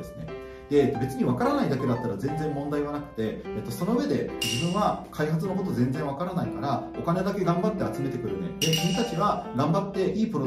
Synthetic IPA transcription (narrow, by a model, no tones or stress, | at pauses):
esɨne̞̰ | d̪e̞be̞t͡sɨɲ̟iβakaɾanaid̪ake̞d̪at̪ːaɾazẽ̞nd͡zẽ̞mːõ̞nd̪aiβ̞anakɯ̟̥t̪e̞ːt̪ːoso̞no̞ɯe̞d̪e̞d͡ʑibɯ̟̃ɰ̃βakʰaihat͡sɨnoko̞t̪̬o̞zẽ̞nd͡zẽɰ̃βakaɾanaikaɾao̞kaned̪ake̞ɡãmbat̪ːe̞at͡sɨme̞t̪ekɯ̟ɾɯ̟ned̪e̞kɯɲit̪at͡ɕiβaɡãmbat̪ːe̞ʔiːpɯɾo